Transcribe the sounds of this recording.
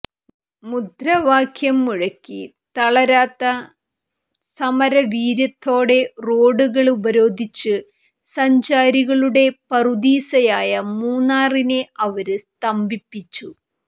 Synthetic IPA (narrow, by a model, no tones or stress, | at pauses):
mud̪ɾɐʋaːkʰjɐmːuɻɐkʲːi | t̪ɐɭɐɾaːt̪ːɐ | sɐmɐɾɐʋiːɾjɐt̪ʰːo̞ːɽe̞roːɖuɣɐɭubɐɾo̞ːd̪ʱit͡ɕːɨ | sɐɲd͡ʑaːɾiɣɐɭuɽe̞pɐrud̪iːsɐjaːjɐmuːnːaːrineʔɐʋɐɾɨst̪ɐmbipːit͡ɕːu